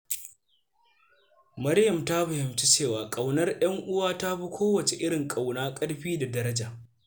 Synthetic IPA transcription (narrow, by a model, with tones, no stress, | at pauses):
mɐ˦ɾjɐ˨mta˦ɸa˨hɪ˨mt͡ʃi˦t͡ʃeː˦˨waː˨kʼɐ˨wnɐ˦rj̰ɐ˦ŋʔʊ˦waː˦ta˦ɸi˦kʷʰoː˦wɐ˨t͡ʃe˨ʔɪ˦ɽɪ˨ŋkʼa˨wnaː˦kʼɐ˦ɽɸiː˦da˨dɐ˦ɾɐ˦d͡ʒaː˨ʔ